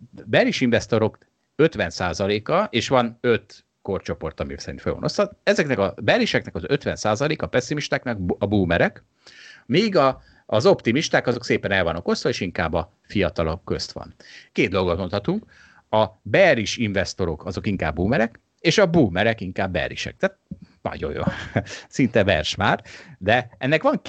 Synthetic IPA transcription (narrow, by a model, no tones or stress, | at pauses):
bɛriʃiɱvɛst̪o̞ɾo̞k | øt̪ʋɛnsaːzɒleːkɒʔeːʃʋɒnøt̪ | ko̞rt͡ʃo̞po̞rt̪ɒmisɛɾinfø̰lɒ̰nost̪ɒt̪ɛzɛknɛkɒbɛriʃɛknɛkɒzøt̪ʋɛnsaːzɒleːkɒpɛsːimiʃt̪aːknɛkbɒbuːmɛɾɛk | miːɡɒː | zo̞pt̪imiʃt̪aːkɒzokseːpɛnɛlvɒnoko̞st̪ʋɒeːʃiŋka̰ːbːɒ | fijɒt̪ɒlokːøst̪ʋɒ̰nkeːd̪̚d̪o̞lɡot̪mo̞nt̪hɒt̪uŋk | ɒbɛriʃiɱvɛst̪o̞ɾo̞kʰɒzo̞kiŋkaːbːuːmɛɾɛk | eːʃɒbuːmɛɾɛkiŋkaːbːɛ̰rḭʃɛ̰k̚t̪aːt̪̚nɒ̰ɟo̞̰jo̰ːsint̪ɛvɛ̰rʃmaːrd̪ɛɛnːɛkʋɒŋ